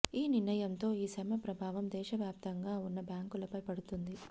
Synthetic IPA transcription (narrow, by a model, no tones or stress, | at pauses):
iːniɾnɐjɐmt̪o̞ːiːsɐmɐpɾɐbʱaːʋɐmd̪ɛːʃɐʋjaːp̚t̪ɐŋɡaːunːɐbjaːŋkulɐpɐjpɐɽut̪und̪i